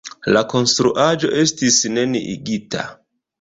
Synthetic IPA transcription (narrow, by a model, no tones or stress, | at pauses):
lako̞nstɾuʔad͡ʒo̞ʔe̞stisne̞nḭʔḭɡita̰